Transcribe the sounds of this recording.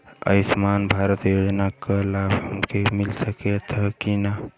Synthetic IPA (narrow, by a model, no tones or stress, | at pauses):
ə̰ɪsmanbʱaɾət̪jod͡ʒnakəlabɦəmkemilsəket̪ʰəkina